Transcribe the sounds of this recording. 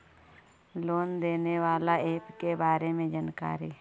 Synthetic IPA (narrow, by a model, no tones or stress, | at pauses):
loːnd̪eːneʋaːlaeːpkebaːɾemẽd͡ʒanka̰ːɾi